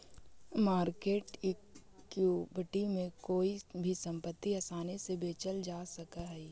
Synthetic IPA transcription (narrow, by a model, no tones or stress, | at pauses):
maːɾkeːʈikːjuːbʱɪʈimẽkoːibʱisɐ̃mpət̪ːiɐsaːnesebeːt͡ʃəld͡ʒaːsɐkaɦɛi